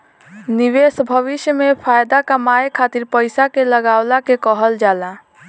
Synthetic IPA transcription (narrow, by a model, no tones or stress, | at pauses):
niʋesbʱəʋɪʃjəmepʰajd̪akəmajkʰat̪iɾpəɪsakeləɡawlakekəɦəld͡ʒaːla